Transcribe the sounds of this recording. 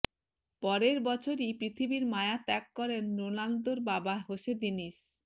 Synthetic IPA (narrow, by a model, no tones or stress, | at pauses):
pɔɾeɾbɔt͡ɕʰoɾipɾit̪ʰibiɾmaeat̪ɛkːɔɾenɾonald̪oɾbabaɦoʃed̪iniʃ